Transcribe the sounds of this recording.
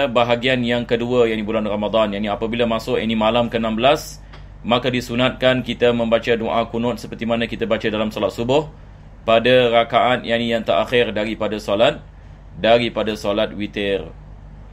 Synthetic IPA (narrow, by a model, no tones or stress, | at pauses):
baɦaɡianjaŋkəduəjaʔnibulanramad̪ˤanjaʔniapabilamasʊʔja̰ʔnĩmalamkənãmbəlas | makadisunat̪̚kankit̪amə̃mbat͡ʃadoʔakunʊ̃t̪̚səpərt̪imanãkit̪abat͡ʃadalamsɔlat̪̚subʊh | padarakaʔanjaʔnijaŋt̪əɾʔaxɪrdaɾipadasolat̪̚ | daɾipadasolat̪̚wit̪ɛr